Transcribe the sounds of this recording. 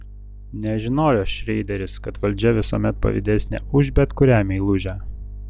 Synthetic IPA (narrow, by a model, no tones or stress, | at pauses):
nʲɛʒʲɪnoːjoːʃʲɾʲɛɪd̪ʲɛɾʲɪskɐt̪ʋɐlʲd͡ʒʲɛʋʲɪsoɔmʲɛt̪̚pɐ̰ʋʲɪ̰d̪ʲæsʲnʲɛ̰ʊʒʲbʲɛt̪kʊɾʲæːmʲeilˠʊʒʲæ